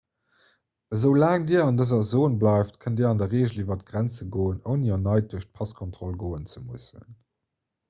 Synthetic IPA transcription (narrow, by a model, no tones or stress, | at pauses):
əzəʊlaːŋdiːɐɑndəzɐzoːnblɑɪftkʰəndiːɐɑndɐʁeːʑəlivɐtɡ̥ʁænt͡səɡoːənəʊniɐnɑɪt̚duɐɕt̚pʰɑskʰontʁ̥olɡoːənt͡səmusə̰n